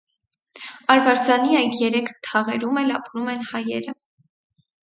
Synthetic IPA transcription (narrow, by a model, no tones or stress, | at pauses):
ɑɾvɑɾd͡zɑniɑjd̪jɛɾɛkʰt̪ʰɑʁɛɾumɛlɑpɾumɛnhɑjɛ̰ɾə